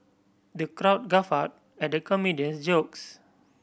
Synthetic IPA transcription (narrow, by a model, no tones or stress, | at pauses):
dəkɾawt̚ɡafat̚ | ɛ̃dəkɔmidiə̃nsd͡ʒoks